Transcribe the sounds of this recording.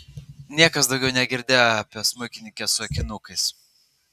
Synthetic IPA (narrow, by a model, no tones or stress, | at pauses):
nʲiɛkɐsd̪ɒʊɡʲɛʊnʲɛɡʲɪɾʲd̪ʲeːjoɐpʲɛsmʊɪkʲɪnʲɪkʲɛsʊɐkʲɪnʊkɐɪs